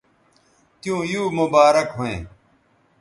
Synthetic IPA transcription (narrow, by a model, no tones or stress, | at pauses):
t̪jũːjuːmʊbaːɾɐkɦoḛ̃ː